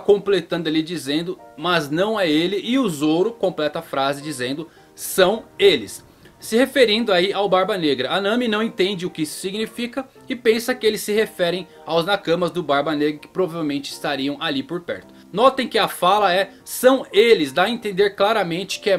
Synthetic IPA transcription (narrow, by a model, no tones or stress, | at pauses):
kõplet̪ɐ̃nd̪ʊalid͡ʒizẽnd̪ʊmɐznɐ̃w̃ɛelɪʔɪʊzoɾʊkõplɛt̪ɐafɾazɪd͡ʒizẽnd̪ʊ | sɐ̃w̃elɪsː | ɪhefeɾĩnd̪ʊaiawbaɾbɐneɡɾɐanɐ̃mɪnɐ̃w̃ẽnt̪ẽnd͡ʒɪʊkɪisʊ̥siɡnifikɐ | ɪpẽsɐkɪelɪsːɪhefɛɾẽj̃ | awznakɐ̃mɐzd̪ʊbaɾbɐneɡɾɐkɪ̥pɾovavewmẽnt͡ʃɪɪst̪aɾiɐ̃w̃alipoɾpɛ̰ɾt̪ʊ | nɔt̪ẽj̃kɪɐfalɐɛ | sɐ̃w̃elɪzd̪aẽnt̪ẽnd̪eɾklaɾɐmẽnt͡ʃɪ̥kɪɛ